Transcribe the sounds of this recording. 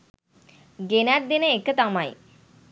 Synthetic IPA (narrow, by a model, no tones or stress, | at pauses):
ɡenæt̪̚d̪inəekːət̪amaj